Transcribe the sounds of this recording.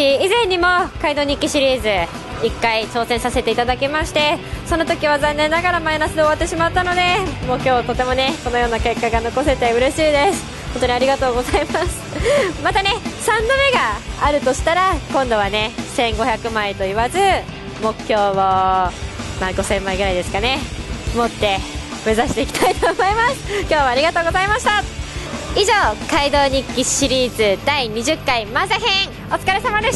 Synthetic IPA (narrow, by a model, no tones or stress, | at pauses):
iizẽ̞ɲ̟ːimo̞kaid̪o̞ːɲ̟ikʲːiɕiɾʲiːzɨ | ikːait͡ɕo̞ːsẽ̞ɰ̃sase̞t̪e̞it̪ad̪akʲimaɕi̥t̪e̞so̞not̪o̞kʲiβazãnːẽ̞nːaɡaɾamainasɨd̪e̞oβat̪ːe̞ɕimat̪ːano̞d̪e̞mo̞ːkʲo̞ːt̪o̞t̪e̞mo̞ne̞kono̞jo̞ːnake̞kːaɡano̞ko̞se̞t̪e̞ɯ̟ɾe̞ɕiːd̪e̞sɨ̥ | hõnt̪oɲiaɾʲiɡat̪o̞ːɡo̞zaimasɨ̥mat̪ane̞sãnd̪ome̞ɡaːɾɯ̟t̪o̞ɕi̥t̪aɾakõ̞nd̪o̞βane̞sẽ̞ŋɡo̞çʲakɯ̟mait̪o̞iβazɨ | mo̞kʰʲço̞ːmo | maɡo̞sẽ̞mːaiɡɯ̟ɾaid̪e̞sɨ̥kane̞mo̞t̪ːe̞ | me̞zaɕi̥t̪e̞ikʲi̥t̪ait̪o̞ːmo̞imasɨ̥kʲo̞ːβaːɾʲiɡat̪o̞ːɡo̞zaimaɕi̥t̪a | iʑo̞ːkaid̪o̞ːɲ̟ikʲːiɕiɾʲiːzɨd̪aiɲ̟iʑɨkːaimazaɦẽ̞ŋ̃ | o̞t͡sɨ̥kaɾe̞samad̪eɕ